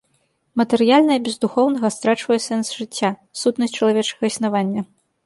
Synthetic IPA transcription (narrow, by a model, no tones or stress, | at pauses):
mɐt̪ɛɾɨjalʲnɐjɐbʲɛzd̪uxɔwnɐɣɐst̪ɾat͡ʂvɐjɛsɛnsʐɨt͡sʲːasut̪nɐsʲt͡ʂɐlˠavʲɛt͡ʂɐɣɐisʲnavanʲːɐ